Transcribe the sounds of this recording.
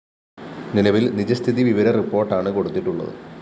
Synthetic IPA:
ninɐʋilnid͡ʑɐst̪ʰiðiʋiʋɐɾɐripːo̞ːrʈːaːɳɨko̞ɽut̪ːiʈːuɭːɐ̰ðɨ̰

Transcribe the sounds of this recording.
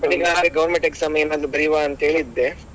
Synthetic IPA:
bɐʈːiɡaɦaːɾeɡɐʋɐɾmeɳʈeksamɐjɐenaːd̪ɾubɐɾijʋaɐnt̪ɐɦe̞ːɭid̪ːe

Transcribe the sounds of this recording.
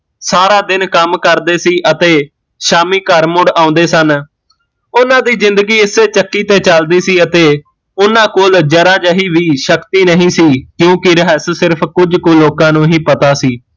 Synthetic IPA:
saːɾaːd̪ɪnkəmkəɾd̪eːsiːʔət̪eː | ʃaːmiːkəɾmʊɖãːʊ̃nd̪eːsən | ʊnãːd̪iːzɪ̃nd̪əɡiːɪseːt͡ʃəkːiːt̪eːt͡ʃəld̪iːsiːət̪eː | ʊnãːkoːld͡ʒəɾaːd͡ʒəɦiːʋiːʃəkt̪iːnəɦĩːsiːkjõːkɪɾəɦɛssɪɾpʰkʊd͡ʒkoːloːkãːnũːɦiːpət̪aːsiː

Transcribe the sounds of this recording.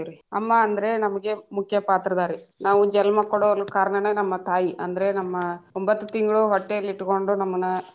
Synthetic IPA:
ɾiɐmːaɐnd̪ɐɾe̞nɐmɐɡe̞mukʰjɐpaːt̪ɾɐd̪aːɾinaːʋud͡ʒɛlmɐkɔɽolukaːɾɐɳɐnenɐmːɐt̪aːjiʔɐ̰nd̪ɐɾe̞nɐmːɐombɐt̪ːut̪iŋɡɐɭuɦɔʈːejɐlːiʈːuko̞ɳɖunɐmːɐnɐ

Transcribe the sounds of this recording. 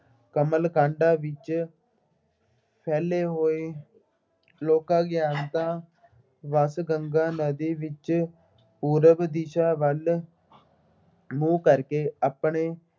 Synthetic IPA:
kəməlkãːɳɖãːʋɪt͡ʃ | pʰɛːleːɦoːeː | loːkãːɡjaːnt̪ãː | ʋəsɡəŋɡãːnəd̪iːʋɪt͡ʃ | puːɾəbd̪iʃaːʋəl | muːkəɾkeːapɳeː

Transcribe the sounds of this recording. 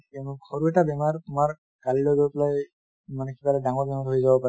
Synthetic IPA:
ɛnxoɹuɛtabɛmaɹtʊmaɹ | kalilɔjɡojplaj | manɛkʰibalɛdaŋɔɹbɛmaɹɦojzabɔpa

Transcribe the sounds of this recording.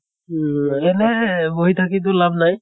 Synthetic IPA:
ɛnɛboɦit̪ʰakit̪ʊlabnaj

